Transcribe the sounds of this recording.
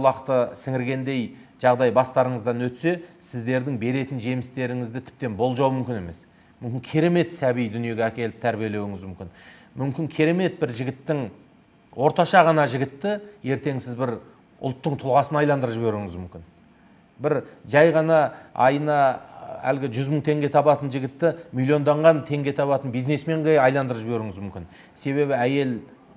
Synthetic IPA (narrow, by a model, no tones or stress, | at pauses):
lˠɑqt̪əsɪŋɪɾɡʲe̞nd̪e̞j | ʒ̥ɑʁd̪ɑjbɑst̪ɑɾəɴəzd̪ɑnwɵt̪se̞sɪzd̪e̞ɾd̪ɪŋbe̞ɾe̞t̪ɪnʒe̞mɪst̪e̞ɾɪŋɪzd̪ɪt̪ʰɪ̥p̚t̪e̞nbo̞lˠʒɑwmʏmkʲɪne̞me̞s | mʏmkʲɪŋkʲʰeɾe̞me̞t̪sæbijd̪ʏnije̞ɡʲeækʲʰe̞lɪp̚t̪ʰæɾbije̞le̞wɪŋɪzmʏmkʲɪn | mʏmkʲɪŋkʲʰeɾe̞me̞t̪̚bɪɾʒɪɡʲɪt̪ːɪŋ | wo̞ɾt̪ɑʃɑʁɑnɑʒɪɡʲɪt̪ːɪje̞ɾt̪e̞ŋsɪzbɪɾ | ʊ̰lˠt̪ːəɴt̪ʰʊlˠʁɑsənɑjlˠɑnd̪əɾəʒɪbe̞ɾɪŋɪzmʏmkʲɪn | bɪɾʒɑjʁɑnɑɑjənɑæ̰lɡʲɪʒʏzməɴt̪ʰe̞ŋɡʲe̞t̪ʰɑbɑt̪ənʒɪɡʲɪt̪ːɪmilʲˠio̞nd̪ɑɴʁɑnt̪ʰe̞ŋɡʲe̞t̪ʰɑβɑt̪ənbijzne̞sme̞ɴʁejɑjlˠɑnd̪əɾəpʒɪbeɾɪŋɪzmʏmkʲɪn | se̞βe̞βɪæje̞l